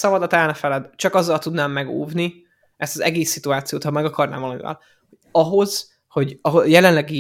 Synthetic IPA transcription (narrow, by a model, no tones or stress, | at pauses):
sɒbɒd̪ɒt̪ɛlnɛfɛlɛd̪t͡ʃɒkɒzːɒlt̪ud̪naːmːɛɡo̰ːvni | ɛst̪ɒzɛɡeːsːit̪uaːt̪sijoːt̪hɒmɛɡɒkɒrna̰ːmvɒlɒmḭvɛ̰l | hoɒɦo̞z̥ | ho̞ɟɒɦojɛlɛnlɛɡi